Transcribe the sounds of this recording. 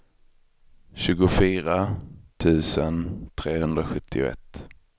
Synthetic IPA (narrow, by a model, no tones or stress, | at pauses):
ɕʉ̟ːɡʊfyːɾat̪ʰʉ̟ːsənt̪ʰɾeːhɵnd̪ɾaɧɵt̪ʰːɪʊ̰ɛ̰t̪ː